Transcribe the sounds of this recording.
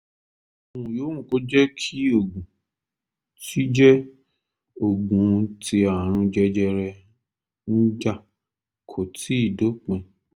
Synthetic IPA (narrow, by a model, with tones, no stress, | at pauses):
o˨wũ˨joː˨˦ŋũ˦˨ko˨˦d͡ʒɛ˦kʰi˦o˦˨ɡũ˨ | ti˦d͡ʒɛ˦ | o˦˨ɡũ˨˧ti˧a˨ɾ̃ũ˧d͡ʒɛ˦d͡ʒɛ˧ɾɛ˧ | n̩˦d͡ʒa˦˨ | kʰo˨ti˨˦i˦˨do˨˦k͡pɛ̃˧